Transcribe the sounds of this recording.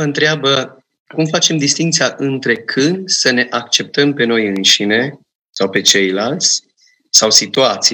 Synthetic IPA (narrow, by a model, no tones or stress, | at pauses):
əɨnt̪ɾeabə | kumfat͡ʃe̞md̪ist̪iŋk̚t̪sijaʔɨnt̪ɾe̞kʰɨnd̪səne̞ʔak̚t͡ʃe̞p̚t̪əmpe̞no̞jɨnʃine̞ | sawpe̞t͡ʃe̞jlalt̪sʲ | sawsit̪uat̪si